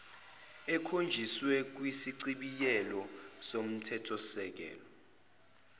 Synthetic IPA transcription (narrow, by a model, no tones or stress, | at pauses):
ɛkʰond͡ʒʱiswɛk̬wisiǀiɓijɛlɔ | som̩tʰɛtʰɔsɛk̬ɛ̰ːlɔ